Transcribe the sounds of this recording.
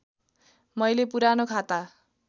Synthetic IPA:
mʌjlepuɾanokʰat̪a

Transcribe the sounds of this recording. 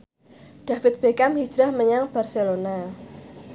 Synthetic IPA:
ɖ̥a̤fɪt̪̚b̥ekamhi̥d͡ʒɾahməɲaŋb̥arselona

